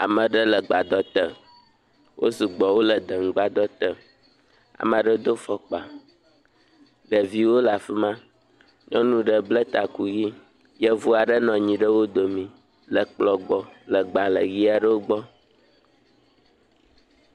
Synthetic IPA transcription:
a̰˨mə̃˨ɖə˦lə˨ɡ͡ba˨d̪ɔ˦t̪ə˨ | wʔo̰˦zu˨ɡ͡bɔ˨wo˦lə˨d̪ə˨ŋ̩˦ɡ͡ba˨d̪ɔ˦t̪ə˨ | a̰˨mə̃˨ɖə˦d̪o˦fɔ˨k͡pa˨ | ɖə˨vi˦wo˦la˨fi˦mã˦ | ɲɔ̃˦nũ˦ɖə˨blə˦t̪a˨ku˨ɣi˦ | jə˦vu˦a˨ɖə˦nɔ̃˨ɲĩ˨ɖə˦wo˦d̪o˨mĩ˨ | lə˨k͡plɔ˨ɡ͡bɔ˨lə˨ɡ͡ba˨lə̰˨ɣi˦a˨ɖə˦wo˦ɡ͡bɔ˦

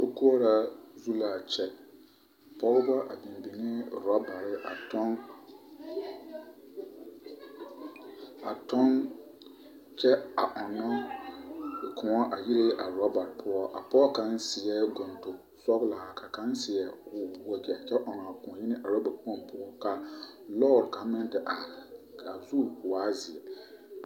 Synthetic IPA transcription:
po˨kʰu˦ɔ˦ɾa˦zu˦la˨t͡ɕʰɛ˦ | pʰɔ˦lʊ˦ba˦ʔa̰˨bĩ˨m˨bi˨nɪ̃˦ɾɔ˦ba˨ɾɪ˦ʔa˨tʰɔ̃˦n | a̰˨tʰɔ̃˦n | t͡ɕʰɛ˦a˨ʔɔ˨nɔ̃˦˨ | kʰʊ̃˨˦ɔ˦ʔa˨ji˦ɾe˦ʔa˨ɾɔ˦ba˨ɾpʰʊ˦ɔ˦ʔa̰˨pʰɔ˦ɔ˦kʰã˦n̩˦sɪ˨ɛ˦ɡɔ̃˨n˨tʰo˨ | sɔ˦kla˨a˨kʰa˨kʰã˦n̩˦sɪ˨ɛ˨ʊ˨wa˨kʰi˨a˨t͡ʃʰɛ˦ʔɔ˨nã˨a˨kʰʊ̃˨ɔ̃˨ji˦nɪ̃˦ʔa˨ɾɔ˦ba˨pʰɔ̃˦˨m˨pʰʊ˦ɔ˦kʰa˦lɔ˦dkʰa˨mɛ̃˦n˦tɪ˨ʔa˨a˨zu˦ɾhʊ˨a˦zɪi˨ɛ˨

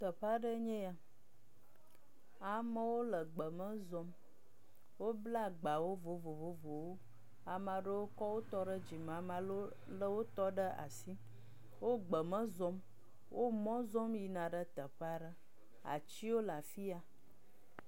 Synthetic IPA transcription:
t̪ə˨ɸa˦ɖə˦ɲɛ̃˦ja˨ | a˨mə˦wo˦lə˨ɡ͡bə˨mə̃˦zɔ˦m | wo˦bla˦ɡ͡ba˨wo˦vo˨vo˨vo˨vo˨wo˦ | a˨mã˨ɖə˦wo˦kɔ˦wo˦t̪ɔ˦ɖə˦d͡ʒi˨m˨a˨mã˨˦ | lə˦wo˦t̪ɔ˦ɖə˦ʔa̰˨si˦ | wo˦ɡ͡bə˨mə̃˦zɔ˦m | wʔo˦mɔ̃˦zɔ˦mji˨nã˨ɖə˦t̪ə˨ɸa˦ɖə˦ | a̰˨t͡ɕi˦wo˦la˨fi˦a˨

